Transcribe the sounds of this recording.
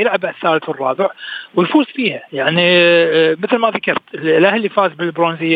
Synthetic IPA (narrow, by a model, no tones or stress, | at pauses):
jɪlʕabaθːaːlθwrˤːɑːbɪʕwəjfuːsˤfiːhajaʕni | mɪθlmaðakɑɾˤt̪lʔahlifaːzbɪlbɾoːnzɪjː